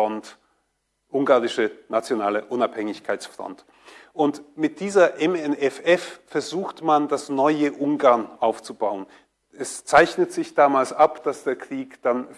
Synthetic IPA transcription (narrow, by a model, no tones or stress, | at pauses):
ɔnt | ʔʊŋɡaːʁɪʃənat͡sjonaːləʔʊnaphɛŋɪçkʰaɪsfʁ̥ɔ̰nt | ʔʊntmɪt̚d̥iːzɐʔɛmɛnɛfɛffɛɐzuːxtmandasnɔʏəʔʊŋɡaɐnʔaʊft͡subaʊən | ʔɛst͡saɪçnətz̥ɪçd̥aːmaːlsʔapd̥asd̥eːɐkʁ̥iːkd̥an